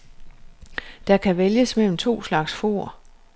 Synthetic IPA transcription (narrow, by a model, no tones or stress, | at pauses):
d̥ɑ̈kʰæʋeljəsmel̰m̩t͡sʰo̝̰ːslɑ̈ɡ̥sfo̝̰ɐ